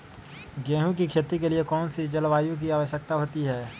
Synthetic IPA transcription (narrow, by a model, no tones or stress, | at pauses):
ɡɛ̃ːɦũkikʰeːt̪ikeliekɔːnsid͡ʒɐlʋaːjõk̬iaːʋəʃjək̚t̪aɦoːt̪iɦɛː